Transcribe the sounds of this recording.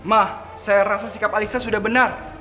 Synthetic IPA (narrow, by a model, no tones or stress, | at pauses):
mah | sajaɾasasi̥kapalisasudahbənar